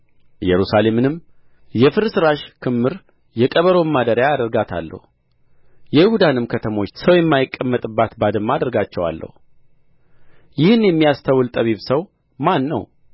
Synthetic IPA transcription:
jɛɾusale̞mnɨm | jɛfɨɾsɨɾaʃkʰɨmːɨɾ | jɛkʼəβəɾo̞mːad̪əɾjaːd̪əɾɡat̪ʰa̰lːə̰hu | jɛjɪhud̪anɨmkʰət̪ʰəmo̞t͡ʃːsəwjɛmːajɪkʼːəmːət̪ʼɨbːat̪bad̪ɨmːad̪əɾɡat͡ʃːɛwa̰lːə̰hu | jɪhɨnjɛmːijast̪ʰawɨlt̪ʼəβiβsəw | manːə̰w

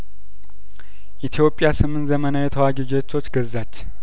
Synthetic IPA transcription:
ʔit̪ʰijo̞pʼjasɨmɨnzəmənawjɛt̪ʰəwaɡid͡ʒet̪ʰːo̞t͡ʃːɡəzːat͡ʃː

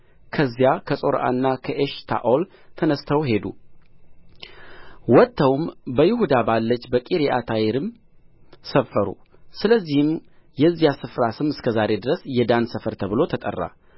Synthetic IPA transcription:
kʰəzːijakʰəsʼo̞ɾʔa̰nːakʰəʔeʃt̪ʰa̰ʔol | t̪ʰənəst̪ʰəwɦe̞d̪u | wɔt̪ʰːəwmbəjɪhud̪abalːət͡ʃːbəkʼiɾiʔat̪ʰajɪɾɨm | səfːəɾṵ | sɨləzːihɨmjɛzːijasɨfɾasɨmɨskʰəzaɾe̞d̪ɨɾəsjɛd̪ansəfəɾt̪ʰəβɨlo̞t̪ʰət̪ʼə̰rːa̰

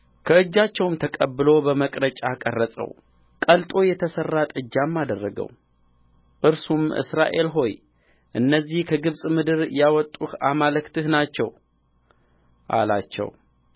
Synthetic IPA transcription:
kʰəɨd͡ʒːat͡ʃːɛwmt̪ʰəkʼəbːɨlo̞bəməkʼɾət͡ʃʼakʼərːəsʼə̰w | kʼəlt̪ʼo̞jɛt̪ʰəsərːat̪ʼɨd͡ʒːamːad̪ərːəɡə̰w | ʔɨɾsumʔɨ̰sɾa̰ʔe̞lɦo̞j | ʔɨnːəzːihkʰəɡɨβsʼmɨd̪ɨɾjawɔt̪ʼːuhamalɨkt̪ʰɨhnat͡ʃːɛw | ʔa̰la̰t͡ʃːɛ̰w

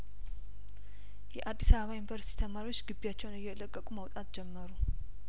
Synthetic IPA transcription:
jɛʔad̪ːisaβəβajunvəɾsit̪ʰi̥t̪ʰəmaɾiwo̞t͡ʃːɡɨbːijat͡ʃːɛwnɨjːɛɨləkʼːəkʼuməwt̪ʼat̪d͡ʒɛmːəɾu

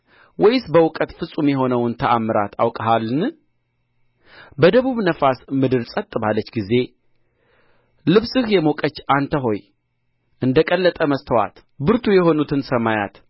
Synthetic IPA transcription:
wɔjɪsbəwʊkʼət̪fɨsʼumjɛɦo̞nəwnt̪ʰəʔamːɨɾa̰t̪ʰawkʼəɦalːɨn | bəd̪əβuβnəfasmɨd̪ɨɾsʼət̪ʼːɨβalːət͡ʃːɡize̞ | lɨβsɨhjɛmokʼət͡ʃːant̪ʰəɦo̞j | ʔɨnd̪əkʼəlːət̪ʼəməst̪ʰəwa̰t̪ | bɨɾt̪ʰujɛɦo̞nut̪ʰɨnsəmaja̰t̪

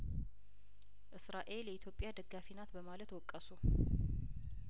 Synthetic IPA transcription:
ʔɨsɾaʔe̞ljɛit̪ʰjo̞pʼːjad̪əɡːafinat̪bəmalət̪wɔkʼːəsu

